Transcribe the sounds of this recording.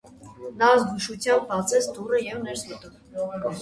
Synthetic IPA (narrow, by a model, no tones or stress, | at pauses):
nɑzɡuʃut͡sʰjɑmbbɑt͡sɛst̪urəjɛvnɛɾsmət̪um